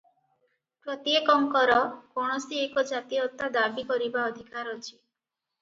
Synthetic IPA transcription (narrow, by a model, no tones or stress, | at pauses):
pɾɔt̪iekɔŋkɔɾɔkɔɽ̃ɔsiekɔd͡ʒat̪iɔt̪ːad̪abikɔɾibaɔd̪ʱikaɾɔt͡ʃʰi̥